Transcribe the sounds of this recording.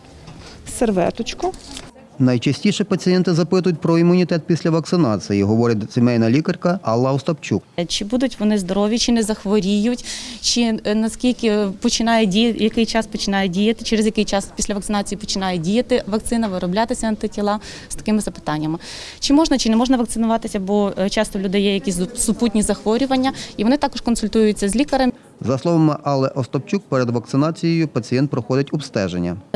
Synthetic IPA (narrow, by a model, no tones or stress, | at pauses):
serʋɛ̰t̪ʊt͡ʃkɔ | nɐjt͡ʃɐsʲtʲiʃɛpɐt͡sʲijɛnt̪ɪzɐpɪt̪ʊjʊt̚ʲpɾɔimʊnʲit̪ɛt̪̚pʲisʲlʲɐʋɐk̚t̪sɪnɑt͡sʲijiɦɔʋɔɾʲɪt̪ʲsʲemɛjnɐlʲikɐrʲkɐʔɐlˠːɐwst̪ɐpt͡ʃʲuk̚t͡ʃɪbud̪ʊtʲʋɔnɪzd̪ɔɾɔʋʲjit͡ʃɪnɛzɐxʋɔɾʲijʊtʲt͡ʃɪnɐskʲilʲkɪpɔt͡ʃɪnɑjɛdʲijɐjɐkɪjt͡ʃɑspɔt͡ʃɪnɑjɛdʲijɐt̪ɪt͡ʃeɾezjɐkɪjt͡ʃɑspʲisʲlʲɐʋɐkt̪sɪnɑt͡sʲijipɔt͡ʃɪnɑjɛdʲijɐt̪ɪʋɐk̚t̪sɪnɐʋɪɾɔblʲat̪ɪsʲɐɐnt̪ɪtʲilˠɑ | st̪ɐ̥kɪmɪzɐpɪ̥t̪ɑnʲːɐmɪt͡ʃɪmɔʒnɐt͡ʃɪnɛmɔʒnɐʋɐkt̪sɪnʊʋɑt̪ɪsʲɐbɔt͡ʃɑst̪ɔlʲud̪ɪjɛjɐkʲisʲsʊput̚ʲnʲizɐxʋɔɾʲʊʋɐnʲːɐiʋɔnɪt̪ɑkɔʃkɔnsʊlʲt̪ujʊjʊt͡sʲːɐzʲlʲikɐɾɐm | zɐslˠɔʋɐmɪʔɐlˠɛʔɔst̪ɔpt͡ʃʲuk̚pɛɾed̪ʋɐkt̪sɪnɑt͡sʲijejʊpɐt͡sʲijɛnt̪̚pɾɔxɔdʲɪtʲɔbst̪ɛʒḛnʲːɐ